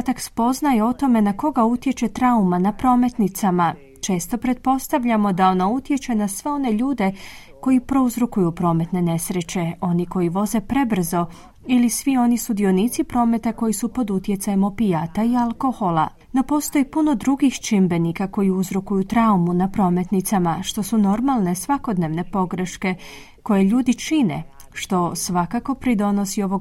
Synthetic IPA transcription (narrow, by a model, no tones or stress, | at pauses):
t̪akspo̞znajeo̞t̪o̞me̞nako̞ɡaut̪jet͡ʃe̞t̪ɾaumanapɾo̞ːme̞t̪nit̪sama | t͡ʃe̞ːst̪o̞pɾe̞t̪̚po̞st̪aʋʎamo̞d̪ao̞naut̪je̞t͡ʃe̞nasʋe̞o̞ne̞ʎuːd̪e̞ | ko̞ipɾo̞uzɾukujupɾo̞ːme̞t̪ne̞ne̞sɾe̞t͡ɕe̞o̞niko̞iʋo̞ze̞pɾe̞br̩zo̞ | ilisʋio̞nisud̪io̞nit̪sipɾo̞ːme̞t̪ako̞jisupo̞d̪ut̪je̞t̪sajemo̞pijat̪aialˠko̞xo̞la̰ | no̞po̞ːst̪o̞jipuno̞d̪ɾuɡixt͡ʃimbe̞nikako̞jiuzɾukujut̪ɾaumunapɾo̞ːme̞t̪nit̪samaʃt̪o̞suno̞ɾmalˠne̞sʋako̞d̪ne̞ʋne̞po̞ɡɾe̞ʃke̞ | ko̞jeʎuːd̪it͡ʃinḛ | ʃt̪o̞sʋakako̞pɾid̪o̞no̞sio̞ʋo̞ɡ